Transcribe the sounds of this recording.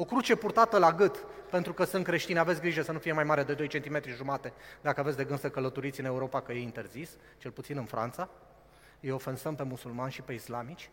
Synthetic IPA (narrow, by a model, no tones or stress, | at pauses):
o̞kɾut͡ʃe̞purt̪at̪əlaɡɨt̪pe̞nt̪ɾukəsɨnt̪̚kɾe̞ʃt̪ineavet̪sʲɡɾiʒəsənufije̞majmaɾe̞d̪e̞d̪o̞jt͡ʃe̞nt̪ime̞t̪ɾiʒumat̪e̞d̪akəavet̪sʲd̪e̞ɡɨnsəkələt̪oɾit̪sʲɨne̞uɾo̞pakəjeint̪e̞rzis | t͡ʃe̞lput̪sinɨnfɾʔa̰nt̪sa | ɨjo̞fensəmpe̞musulmanʃipe̞islamit͡ʃʲ